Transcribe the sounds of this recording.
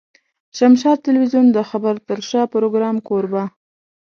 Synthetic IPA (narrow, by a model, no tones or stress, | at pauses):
ʃamʃɑt̪̚t̪ːɪlwizjund̪əxabəɾt̪əɾʃɑpɾoɡɾɑmkoɾba